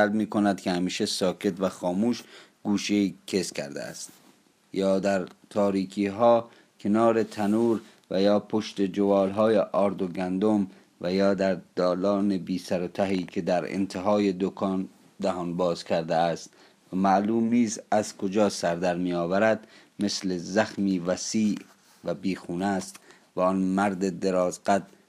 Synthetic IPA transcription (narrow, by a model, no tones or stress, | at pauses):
ælbmiːkʰo̞næd̪kʰehæmiːʃesɒːkʰe̞t̪væxɒːmuːʃɡ̥uːʃeiːkʰe̞skʰæ̰ɾd̪ḛæ̰st̪ | jɒːd̪æɾt̪ʰɒːɾiːkʰiːɦɒː | kʰe̞nɒːɾe̞t̪ʰænuːɾ | væjɒːpʰoʃt̪e̞d͡ʒovɒːlɦɒːjeʔɒːɾd̪oɡænd̪om | væjɒːd̪æɾd̪̥ɒːlɒːnebiːsæɾot̪ʰæɦiːkʰe̞d̪æɾḛnt̪ʰeɦɒːje̞d̪okʰɒːn | d̪æɦɒːnbɒːz̥kʰæɾd̪eæst̪ | væmæʔluːmniːsæz̥kʰod͡ʒɒːsæɾd̪æɾmijɒːvæɾæd̪ | me̞slezæxmiːvæsiːʔ | væbiːxuːnæst̪ | væɔnmæɾd̪ed̪e̞ɾɒːzɡæd̪